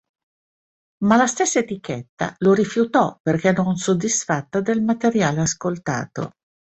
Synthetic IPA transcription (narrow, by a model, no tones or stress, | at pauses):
malast̪esːaet̪iket̪ːa̰loɾifjut̪ɔperkɛnonsod̪ːisfat̪ːad̪elmat̪eɾjaːleaskolt̪a̰ːt̪o̰